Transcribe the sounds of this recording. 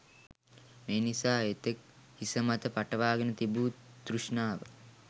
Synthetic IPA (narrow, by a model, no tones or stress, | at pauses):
meːnisaːet̪ek̚ | hisəmat̪əpaʈəʋaːɡənət̪ibuːd̪̥ruʂnaːʋə